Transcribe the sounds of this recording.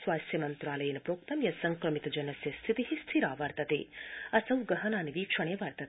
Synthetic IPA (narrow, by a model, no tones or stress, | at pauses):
sʋaːst̪ʰjɐmɐnt̪ɾaːlɐjɐnipɾoːkt̪ɐmjɐsɐŋkɾɐmit̪d͡ʒɐnɐsjɐst̪ʰit̪iɦist̪ʰiɾaːʋɐɾt̪ɐt̪ḛːɐsɐwɡɐɦɐnaːniʋiːkʂɐɳ̃eːʋɐɾt̪ɐt̪